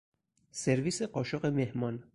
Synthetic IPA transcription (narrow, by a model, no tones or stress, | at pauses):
seɾviːse̞ɢɒːʃɒɢemehmɒːn